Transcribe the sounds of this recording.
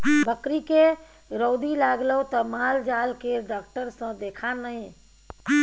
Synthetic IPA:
bəkɾike | ɾoːd̪ilaːɡlət̪əmaːld͡ʒaːlkeɖaːk̚ʈəɾsə̃d̪eːkʰanəɦẽ

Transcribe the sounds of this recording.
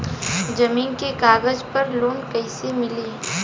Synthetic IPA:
zɐmiːnkekaːɡəd͡ʒpɐɾloːnkɐɪsemɪliː

